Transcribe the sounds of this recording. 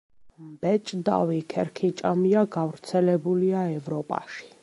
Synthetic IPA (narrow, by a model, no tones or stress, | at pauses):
mbɛt͡ʃʼd̪a̰vikʰɛɾkʰit͡ʃʼamiaɡavɾt̪sʰɛlɛbuliaɛvɾɔpʼa̰ʃi̥